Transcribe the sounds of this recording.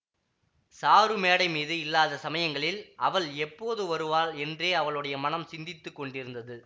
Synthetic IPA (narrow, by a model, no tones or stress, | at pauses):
saːɾɯmeːɽɐɪmiːðɯɪlːaːðɐsɐmɐjɐŋɡɐɭɪlʔɐʋɐɭɛpːoːðɯʋɐɾɯʋaːlɛndreːɐʋɐɭɯɽɐjɐmɐnɐmsɪnd̪ɪt̪ːɯkːɔɳɖɪɾɯnd̪ɐðɯ